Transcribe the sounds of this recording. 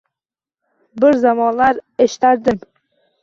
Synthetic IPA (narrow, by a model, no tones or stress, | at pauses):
bɪɾzamɒnlaɾeʃɪ̥t̪aɾd̪ɪm